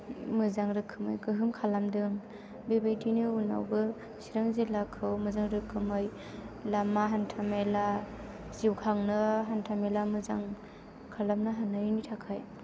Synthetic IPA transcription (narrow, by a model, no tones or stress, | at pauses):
mɯzaŋɾɯkʰːɯmɯ̰jkɯɦɯmkʰalamdɯŋ | bebajdinɯuna̰wbɯ | siɾɯŋzelakʰɯwmɯzaŋɾɯkʰːɯmɯj | lamaɦantʰamela | ziwkʰaŋnɯɦantʰamelamɯzaŋ | kʰalamnɯɦananitʰakʰaj